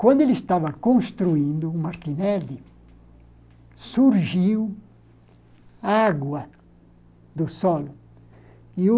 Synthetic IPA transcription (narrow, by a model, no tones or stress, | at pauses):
kwɐ̃nd̪ʊelist̪avɐkõnst̪ɾuĩnd̪ʊːmaɾt̪inɛli | suɾʒiw | aɡwɐ | d̪ʊsɔl | iu